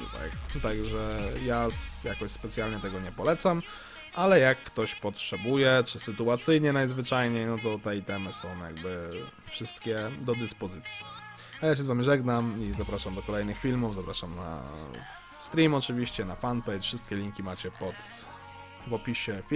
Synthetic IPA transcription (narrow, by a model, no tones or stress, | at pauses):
ṵba̰t̪aɡʐɛjasjakɔɕspɛt̪sʲjalɲɛt̪ɛɡɔɲɛpɔlɛt̪sam | ʔalɛjakːt̪ɔɕpɔtʂɛbujɛt͡ʂɘsɘt̪uat̪sɘjɲɛnajzvɘt͡ʂajɲejnɔt̪ɔt̪ɛit̪ɛmɘsɔ̃w̃ja̰ɡ̚bɘfʂɘst̪kʲɛd̪ɔd̪ɘspɔzɘt̪sʲji̥ | ajaɕ̬ɛzvamʲiʐɛɡnamizapɾaʂamd̪ɔkɔlɛjnɘxfʲilmuvzapɾaʂamna̰ | st̪ɾʲimɔt͡ʂɘvʲiɕt͡ɕɛnafanpɛjtfʂɘst̪̚kʲɛlʲiŋkʲimat͡ɕɛpɔt̪ | vɔpʲiɕɛfʲ